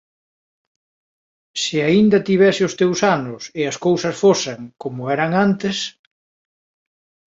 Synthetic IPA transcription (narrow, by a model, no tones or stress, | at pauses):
sɪaind̪ɐt̪iβɛsɪʊst̪ewsanʊseɐskowsɐsfoseŋkomʊɛɾɐŋant̪es